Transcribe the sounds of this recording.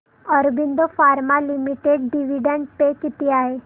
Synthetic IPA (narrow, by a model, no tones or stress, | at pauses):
ɔɾubind̪ofaɾmalimiʈeɖɖiʋiɖəɳɖ̚pekit̪iaɦe